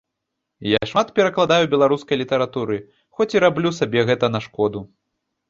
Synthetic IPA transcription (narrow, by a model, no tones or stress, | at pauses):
jaʂmat̪pʲɛɾɐklˠad̪ajubʲɛlˠaɾuskɐjlʲit̪ɐɾat̪uɾɨ | xɔt͡sʲiɾablʲusabʲɛɣɛt̪ɐnɐʂkɔd̪u